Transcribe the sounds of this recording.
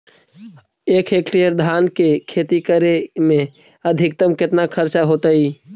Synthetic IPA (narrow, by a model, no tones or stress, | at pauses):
ekʰekʈijəɾd̪ʱaːnkekʰet̪ikəɾemẽ | əd̪ʱɪk̚t̪əmkɪt̪nakʰəɾt͡ʃaɦot̪əi